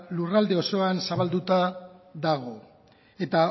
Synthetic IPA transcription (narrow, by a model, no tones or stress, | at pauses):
lurald̪e̞o̞so̞ansaβald̪ut̪aðaɣ̞o̞ | e̞t̪a